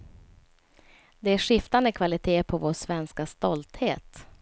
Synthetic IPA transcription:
d̪ɛæʂɪft̪anəkʰvalɪt̪ʰeːpʰɔvoːʂvɛnskast̪ɔlt̪heːt̪

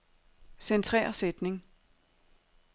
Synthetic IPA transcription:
sent͡sʰʁɛ̰ːɐsed̥ne̝ŋ

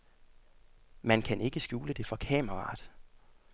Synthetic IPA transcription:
mænkʰæne̝ɡ̥əsɡ̥juːləd̥e̝fɒ̽kʰɛ̰məʁɑ̰̈ːd̥

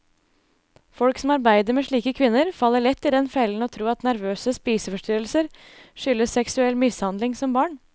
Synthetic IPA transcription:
fɔlksɔmɑɾbæɪd̪əɾmeːʂɭiːkəkʰʋɪnːəɾfɑlːəɭɛt̪ːɪd̪ɛnfɛln̩ɔːt̪ʰɾuːɑt̪næɾʋøːsəspiːsəfɔʂʈ̪yːɾəlsəɾ | ʂʏlːəssɛksʉɛlːmɪshɑnd̪lɪŋsɔmbɑːɳ

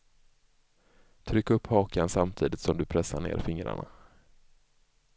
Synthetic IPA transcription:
t̪ʰɾʏkːɵpːhɑːkansamt̪ʰiːd̪ɪt̪sɔmd̪ɵpʰɾɛsaɳḛːɾfɪŋɾa̰ɳa̰

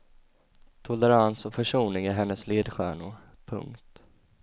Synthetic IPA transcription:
t̪ʰʊlɛɾansɔfœʂuːnɪŋæɾɦɛnːəsleːd̪ɧæ̰ːɳʊ | pʰɵ̰ŋkt̪

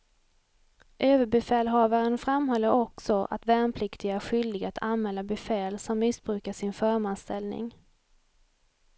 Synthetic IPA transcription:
ʔøːvəbɛfɛːlɦɑːvaɾənfɾamhɔlːəɾɔksɔʔa̰t̪vɛːnpʰlɪkt̪ɪɡaɧʏld̪ɪɡat̪ʰanmɛlːabɛfɛːlsɔmːɪsbɾʉ̟ːkaʂɪnfœːɾmanst̪ɛlnɪ̰ŋ

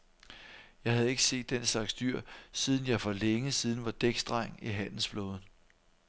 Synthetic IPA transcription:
jɑ̈ɪhæð̞̩ˠe̝ɡ̥əse̝̰ːd̥ːenslɑ̈ɡ̥sd̥yɐ̰siːð̞ˠn̩jɑ̈ɪfɒ̽leŋəsiːð̞ˠn̩ʋɑ̈d̥eɡ̥sd̥ʁɑ̈ŋ̰iɦæn̰l̩sflɔ̽ːð̞ˠn

